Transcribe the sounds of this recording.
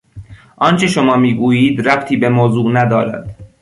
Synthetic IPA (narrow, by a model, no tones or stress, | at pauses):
ʔɒːnt͡ʃʰe̞ʃomɒːmiːɡuːjiːd̪ɾæbt̪ʰiːbemoːzuːnæd̪ɒːɾæ̰d̪̥